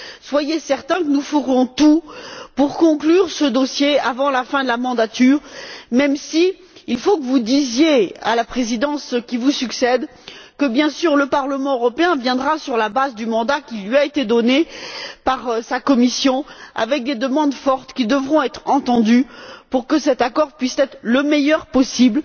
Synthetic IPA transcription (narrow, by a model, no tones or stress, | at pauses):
swajesɛʁt̪ɛ̃kənufəʁɔ̃t̪upuʁkɔ̃klyʁsəd̪ɔsjeavɑ̃lafɛ̃d̪əlamɑ̃d̪at̪yːʁmɛmsi | ilfokəvud̪izjea̰lapχezid̪ɑ̃skʲivusyksɛd̪ | kəbjɛ̃syʁləpaʁləmɑ̃øʁɔpeɛ̃vjɛ̃d̪ʁasyʁlabazd̪ymɑ̃d̪akʲilɥiaet̪ed̪ɔnepaʁsakɔmisjɔ̃a̰vɛk̚d̪ed̪əmɑ̃d̪fɔʁt̪kʲid̪əvʁɔ̃ɛt̪χɑ̃t̪ɑ̃d̪ypuʁkəsɛt̪akɔʁpɥist̪ɛt̪χləmɛjœʁpɔsibl